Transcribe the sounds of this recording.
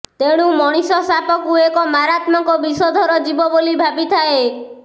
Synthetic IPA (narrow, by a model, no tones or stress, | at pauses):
t̪eɽ̃umɔɽ̃isɔsapɔkuekɔmaɾat̪mɔŋkɔbisɔd̪ʱɔɾɔd͡ʒibɔbolibʱabit̪ʰae